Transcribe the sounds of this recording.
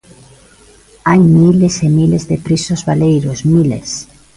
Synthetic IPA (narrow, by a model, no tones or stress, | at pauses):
ajmilesemilezðepɾisozβalejɾosmilḛs